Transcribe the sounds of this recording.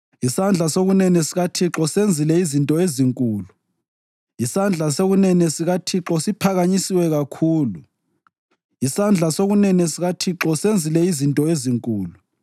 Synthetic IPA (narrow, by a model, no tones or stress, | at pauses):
isand͡ɮʱasoɣunɛnɛsiɣatʰiǁɔsend͡zʱilɛizintʼɔeziŋkʼuːlu | isand͡ɮʱasoɣunɛnɛsiɣatʰiǁɔsipʰaɣaɲisiwɛɣakʰuːlu | isand͡ɮʱasoɣunɛnɛsiɣatʰiǁɔsend͡zʱilɛizintʼɔeziŋkʼuːlu